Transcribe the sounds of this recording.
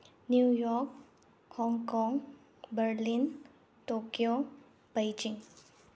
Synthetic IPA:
nujɔk̚ | hɔŋkɔŋ | bərlin | t̪okjo | b̥ajd͡ʒɪŋ

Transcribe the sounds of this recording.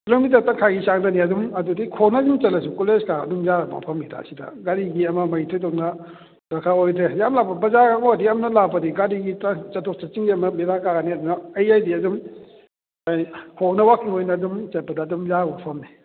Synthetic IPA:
ploŋmit̬atakʰaɡisaŋdaniɐdumɐdudikʰonɐːdumt͡ʃɐlɐs̬ukoleskaɐ̰dumzama̰pʰɐmɡida̰ɐ̰sidɐ̰ɡaɾiɡiɐmɐmɐjitʰɔjtɔk̚nɐ | ɾɐkʰaojtɾejamlapɐbɐzakaŋodiamnɐlabɐdiɡaɾiɡitat͡ʃɐtʰɔk̚t͡ʃat͡ʃiŋɡiɐmɐmiɾakaɡɐniɐdunɐːjajdiɐdum | ajkʰonɐwakʰiŋojnɐːdumt͡ʃɐt̚pɐdɐːdumzabɔpʰɐmni

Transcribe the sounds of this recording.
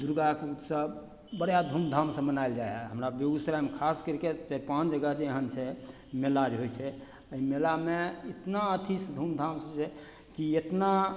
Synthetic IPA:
d̪uɾɡakeut̪sə | bəɽjad̪ʱumd̪ʱamsə̃mənajld͡ʒajɦɛɦəmɾabebisɾamekʰaskəɾiket͡ʃəpãnd͡ʒəɡəd͡ʒeəɦənt͡ʃʰɛ | melad͡ʒɦojt͡ʃʰɛ | əimelameit̪naət̪ʰisd̪ʱumd̪ʱamsə̃t͡ʃʰɛ | kiet̪na

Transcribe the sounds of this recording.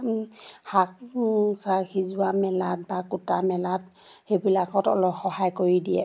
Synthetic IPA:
hak̚saxizʊamɛlat̚bakutamɛlat | xebilakʰɔtɔ̰lɔxɔhajkoɹidijɛ̰

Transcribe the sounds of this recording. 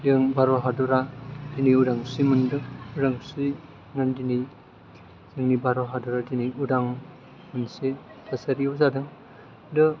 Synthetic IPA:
dɯŋbaɾɔɦadɔɾadiniudaŋsimɯndɯudaŋsi | ŋandini | z̥ɯŋnibaɾɔɦadɔɾadiniudaŋ | mɯnse | tʰasaɾizadɯŋ | dɯ

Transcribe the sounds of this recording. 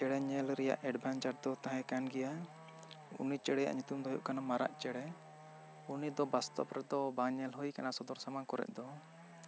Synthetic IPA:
t͡ʃɛɽɛɲɛlɾɛja̰ʔɛɖbʱant͡ʃaɾd̪ɔt̪aɦɛ̃kanɡɛja | ṵnit͡ʃɛɽɛja̰ʔɲut̪umd̪ɔɦɔjuʔkanamaɾa̰ʔt͡ʃɛɽɛ | unid̪ɔbast̪ɔ̰pɾɛd̪ɔbaɲɛlhujkanasɔd̪ɔɾsamakɔɾɛ̰ʔ̚d̪ɔ

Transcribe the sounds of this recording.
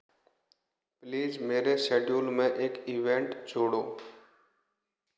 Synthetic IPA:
pliːzmeːɾeʃeːɖjuːlmẽʔeːkiʋẽːɳʈd͡ʒoːɽoː

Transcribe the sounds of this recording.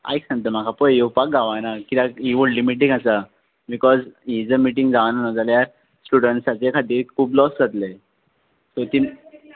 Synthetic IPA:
a̰jksãŋɡt̪̬əm̤akʰapɔjjopak̚ɡaʋanakit̪ãiʋəɽlimiʈ̬iŋasa | bikɔzɦid͡zəmiʈ̬ĩŋɡd͡zaʋananɔd͡zalejaɾ | sʈuɽəɳʈsat͡sekʰat̪iːɾkʰuːblɔsd͡zat̪le | sot̪i

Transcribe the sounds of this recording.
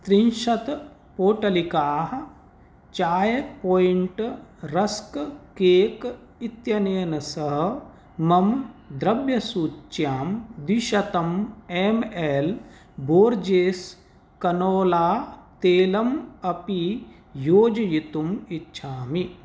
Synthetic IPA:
t̪ɾinʃɐt̪ | poːʈɐlikaːɦɐ̆ | t͡ʃaːjpoːjiɳʈɾɐskkeːk | it̪jɐneːnɐsɐɦɐ | mɐmd̪ɾɐbjɐsuːt͡ʃːjaːmd̪iʃɐt̪ɐmemeːl | bʱoːɾd͡ʒeːs | kɐnoːlaːt̪eːlɐmɐpi | joːd͡ʒɐjit̪umitːʃʰaːmi

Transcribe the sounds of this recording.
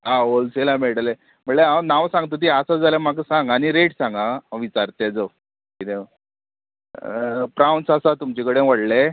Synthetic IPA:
ɦãolselamiɭʈale | m̤əʈleanaʋsãŋɡt̪ət̪̬iasad͡zalem̤ak̬əsãŋɡañiɾeʈsãŋɡaʋit͡saɾt̪ed͡zo | kit̪e | pɾawnsasat̪umt͡ɕekəɽẽʋəɽle

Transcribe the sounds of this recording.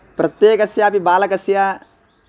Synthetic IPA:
pɾɐt̪ːjeːkɐsjaːpibaːlɐkɐsjaː

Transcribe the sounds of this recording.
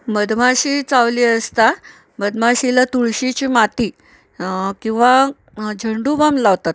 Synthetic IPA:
məd̪maɕit͡sawliəst̪a | məd̪maɕilat̪uɭɕit͡ɕiːmat̪i | kĩw̃ʋa | d͡ʑʱəɳɖubamlawt̪at̪̚

